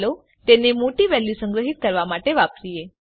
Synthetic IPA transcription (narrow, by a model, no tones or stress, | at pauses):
lo | t̪enemoʈiːʋɛlːisə̃ŋɡɾəɦit̪̚kəɾʋamaʈeʋapɾije